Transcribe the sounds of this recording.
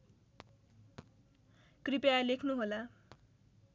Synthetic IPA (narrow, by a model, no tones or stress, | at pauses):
kripalekʰnuɦola